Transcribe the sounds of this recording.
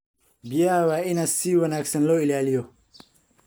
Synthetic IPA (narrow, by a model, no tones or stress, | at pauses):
bijaːwainɐsiwɐnaksɐnloilaːlijo